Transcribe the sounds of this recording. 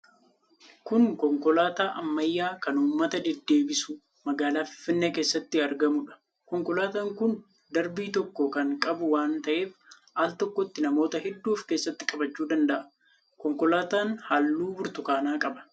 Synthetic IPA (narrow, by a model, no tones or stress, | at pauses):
kʊŋkɔŋkɔlaːt̪aːʔɐmːɐjːaːkɐnuːmːɐt̪ɐd̪ɛd̪ːe̞ːbɪsʊ | mɐɡaːlaːfɪ̥fːɪnːeːke̞ːsːɐt̪ːɪɐɾɡɐmʊᶑɐ̥ | kɔŋkɔlaːt̪aːŋkʊn | d̪ɐɾbiːt̪ɔkːɔkɐŋkʼɐbʊwaːnt̪ɐʔe̞ːf | aːlt̪ɔkːɔt̪ːɪnɐmo̞ːt̪ɐɦɛd̪ːuːfke̞ːsːɐt̪ːɪ̥kʼɐbɐt͡ʃːuːd̪ɐnd̪ɐʔɐ̥ | kɔŋkɔlaːt̪aːnhalːuːbʊɾt̪ʊkaːnaːkʼɐbɐ̥